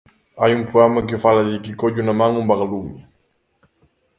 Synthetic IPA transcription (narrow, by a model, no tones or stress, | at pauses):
ajumpɾuamak̬efalad̪ikikɔɟunamaŋumbaɡaluɲə